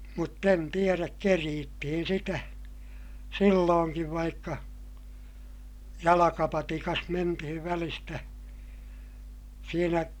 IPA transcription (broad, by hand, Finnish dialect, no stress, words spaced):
mutː en tieræk keriːtːihin sitæ silːoːŋkiʋ ʋɑikːɑ jɑlɑkɑpɑtikɑs mentihiʋ ʋælistæ siːnæ